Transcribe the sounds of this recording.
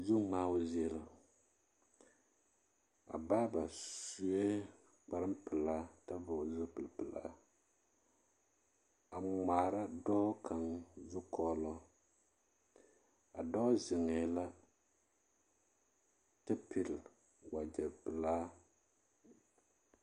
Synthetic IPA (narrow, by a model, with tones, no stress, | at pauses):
zʊ˦ŋ͡maː˦ʊ˦zɛ˦la˨ | a̰˨baː˦ba˨su˦e˦ | k͡pa˦ɾɨ˦mpɨ˨laː˦ta˦vʊ˨zʊ˦pɨ˨lpɨ˨la̰ː˦ | a˨ŋ͡maː˨ɾa˦dɔ˦kʰa˨ŋzʊ˦kʰɔː˦lɔ˦ | a˨dɔ˦zɪ˨ŋɛː˨la˦ | tɨ˦pʰi˨l | wa˨d͡ʒɛ˨pɨ˨laː˦